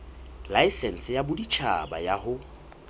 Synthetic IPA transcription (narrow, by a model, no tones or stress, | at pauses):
laisɛn̩sɪjabʊdit͡ʃʰa̰ba̰jahʊ